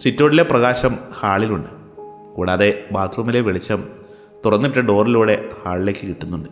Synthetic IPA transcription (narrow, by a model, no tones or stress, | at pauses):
sitːo̞ːɽile̞prɐɣaːɕɐmhaːɭiluɳɖɨ | kuːɽaːðe̞baːt̪ʰɐmileʋeɭit͡ɕːɐm | t̪urɐnːɨpiʈːɐɖo̞ːriluːɽe̞haːɭile̞ːkːɨkiʈːunːuɳɖɨ